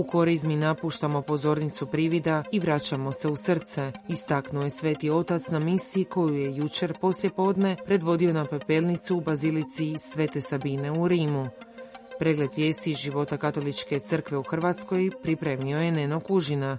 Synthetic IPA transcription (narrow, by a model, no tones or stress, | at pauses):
uko̞ɾizminapuːʃt̪amo̞po̞zo̞ːɾnit̪supɾiʋid̪aiʋɾat͡ɕamo̞se̞usr̩t̪se̞ist̪aknuoje̞sʋeːt̪io̞t̪at̪snamisiiko̞juje̞jut͡ɕe̞ɾpo̞slje̞po̞ːd̪ne̞pɾe̞d̪ʋo̞d̪io̞napepe̞lnit̪suːbazilit̪sisʋe̞ːt̪e̞sabine̞uɾiːmu | pɾe̞ːɡle̞d̪ʋje̞ːst̪iʒiʋo̞t̪akat̪o̞lit͡ʃke̞t̪sɨr̩kʋe̞uxrʋat̪sko̞jpɾipɾe̞ːmio̞je̞neno̞kuʒina